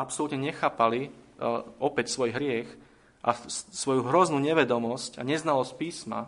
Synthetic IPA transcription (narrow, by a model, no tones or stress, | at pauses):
apsɔlut̪ɲɛɲɛxaːpali | ɔpɛcsʋɔjɦɾɪɛx | ʔasʋɔjuɦɾɔznuːɲɛʋɛd̪ɔmɔsca̰ɲɛznalɔsc̚piːsma̰